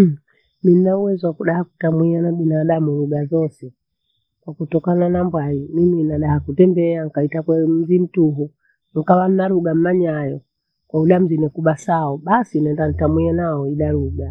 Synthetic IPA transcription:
min̩nauwɛzwakuɗahaku̥tamwianaɓinaɗamuɾuɡazɔsɛ | kwakutɔkananambwaimiminaɗahakutɛmbɛaŋ̩kaitakwɛm̩zim̩tuɦu | ŋ̩kawan̩naɾuɡam̩naɲajɔ | kwauɗam̩zinɛkuɓasaɔɓasinaɛndan̩tamwianaɔiɗaɾuɡa

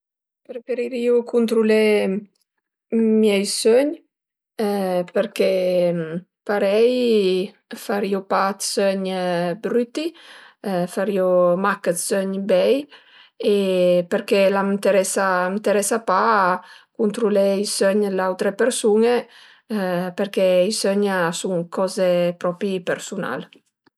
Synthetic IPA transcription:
peɾfeɾiɾiukʰunt̪ɾule | mjɛjsøɲ | peɾke | paɾɛj | faɾiopat̪sœɲbɾyt̪i | faɾiomakət̪sœɲbɛj | epeɾkɛlamt̪eɾɛsamt̪eɾɛsapa | kunt̪ɾulɛisøɲlawt̪ɾepeɾsune | peɾkɛisøɲsuŋkʰɔzepɾɔpipeɾsuna̰l

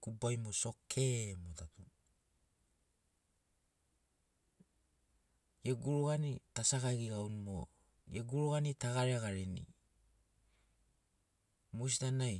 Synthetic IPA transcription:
kubajmoso̞kʰemotatu | jeɡuɾuɡanitasaɡaɡiɡawnumo | jeɡuɾuɣanitaɡaɾeaɡaɾenḭ | mus̬itanaj

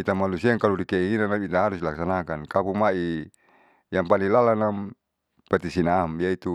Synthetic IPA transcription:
it̪amalusiaŋkaludikeʔiinanamit̪aaɾuslaksanakankapumaʔi | jaŋpalilalanam | pat̪isinamjait̪u

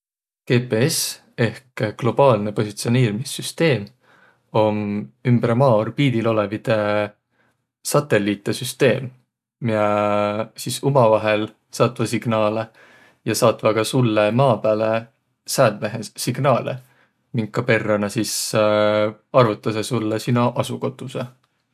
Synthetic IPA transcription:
ke̞ːpe̞es | e̞hkɡ̥lo̞b̥ɑːlnepo̞sit̪sioniːɾimisːyst̪e̞ːm | o̞mymbɾmɑːrpiːd̪̥ilo̞le̞vid̪̥e | sɑt̪ːe̞lːit̪ːˑesyst̪e̞ːm | jɑ | sisumɑvɑɦe̞l | sɑt̪ːˑvɑsiɡ̥nɑːle | jɑsɑt̪ˑvɑɡɑsulːemɑːpæːle | sæːd̪̚meɦesiɡ̥nɑːlḛ | miŋkːɑpe̞rːɑnɑsis | ɑrvut̪ˑːɑsesulːesinɑʔɑsuko̞t̪ːˑuse

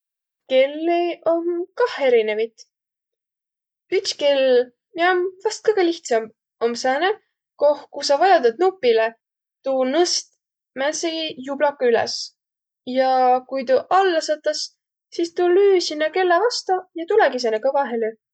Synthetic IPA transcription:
ke̞lːeomkɑhe̞ɾine̞vit̪ | ytskel | miomvɑst̪̚kɤjɡ̥eliht̪sɑm | omsæne | kohkusɑvɑjɑd̪ɑd̪̚nupːˑile | t̪unɤst̪̚ | mænseijublɑkːɑylɛ̰s | jɑkujt̪uʔɑlːɑsɤt̪ːˑɑs | sist̪ulyːsinːɑke̞lːevɑst̪ɑjɑt̪ulɛɡis̬enekɤvɑɦely

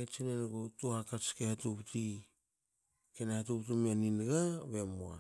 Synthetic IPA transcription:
et͡ʃinenɡotuhakat͡ʃkehatupti | kenahatupt̬umianinɡaβe̞moa̰

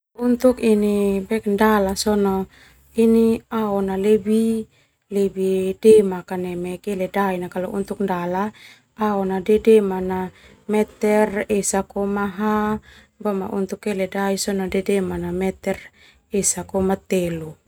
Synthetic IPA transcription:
unt̪ukinibɛkndalasɔnɔ | iniaonalebi | lebidemakanɛmɛkeledainakalo̰ʔunt̪uk̚ndala | aonadedemana | mɛt̪ɛresakomaɦa | bɔma̰ʔunt̪ukːeledaisɔnodedemanamɛt̪ɛr | esakomat̪elu

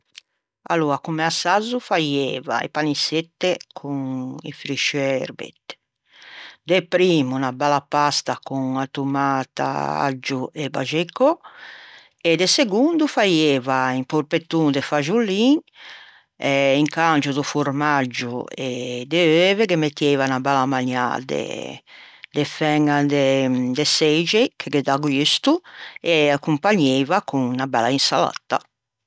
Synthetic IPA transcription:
a̰luakumeasazufajɛːva̰ḛpaniset̪ːekʰuŋḭfɾiʃɛɾbḛt̪ | d̪epɾiːmunabalapast̪akuŋat̪umaːt̪a̰a̰d͡ʒueba̰ʒekɔ | ed̪eseɡund̪ufajɛːvaimpoɾpet̪ːund̪ɛfaʒulːiːŋ | ɛiŋkant͡ʃud̪ufuɾmad͡ʒːuɛd̪ɛøːvɛkemet̪ːjeːvanabalamaɲa̰d̪ɛ̰ | d̪ɛfɛŋad̪ɛd̪ɛsɛd͡ʒekʰeked̪aɡwist̪uɛakːumpaɲːevakuŋnaba̰lainsala̰t̪ːa̰

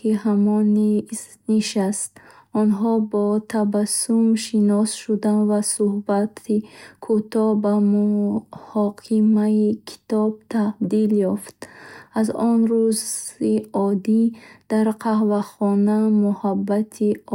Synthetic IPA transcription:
kiɦamɔnis | niʃast̪ɔnɦɔbɔt̪ʰabasumʃinɔsʃud̪anvasuhbat̪ʰikʰut̪ɔbamuhɔqʰimaikʰi̥t̪ɔb̚t̪ʰad̪iljɔft̪azɔnɾuziɔd̪id̪̥aɾqʰahvaχɔnamuhabːat̪ʰi

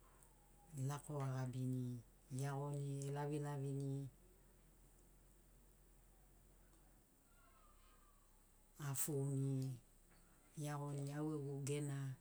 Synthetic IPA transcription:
lakoaɣabini | jaɣonielaβilaβini | afuni | jaɣoniaweɡuɡena

